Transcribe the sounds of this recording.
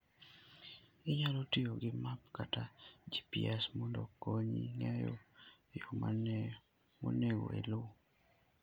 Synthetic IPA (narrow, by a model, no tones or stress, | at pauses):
ɪɲalotioɡɪmap̚katad͡ʒipiɛsmɔndokoɲḭŋɛjo̰ | jɔman | mo̰neɡo̰ḛlo